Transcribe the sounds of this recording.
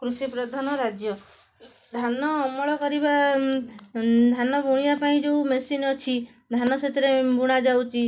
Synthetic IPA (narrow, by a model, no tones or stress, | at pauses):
kɾusipɾɔd̪ʱanɔɾad͡ʒjɔ | d̪ʱanɔːmɔɭɔkɔɾiba | d̪ʱanɔbʱuɽ̃ijapaĩd͡ʒeumesinɔt͡ʃʰi | d̪ʱanɔsʰet̪iɾebʱuɽ̃ad͡ʒawt͡ʃʰi